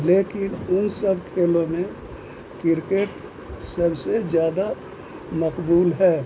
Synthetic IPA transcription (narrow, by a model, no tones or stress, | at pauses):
leːkɪnʊnsəbʱkʰeːlõmẽ | kɪɾkeʈ | səbsed͡ʒjaːd̪a | məkbuːlɦɛː